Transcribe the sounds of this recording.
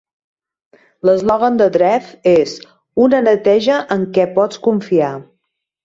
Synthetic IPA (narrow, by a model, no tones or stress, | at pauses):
ləzlɔɣənd̪əd̪ɾɛfez | unənət̪ɛʒəʔəŋkɛpɔt͡skuɱfia